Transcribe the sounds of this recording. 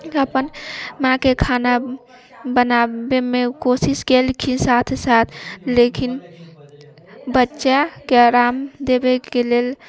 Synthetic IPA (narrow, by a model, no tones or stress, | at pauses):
əpənmãkekʰaːna | bənabemẽkosiskelkʰisat̪ʰsat̪ʰlekin | bətːʃakeɾaːmd̪ebekelel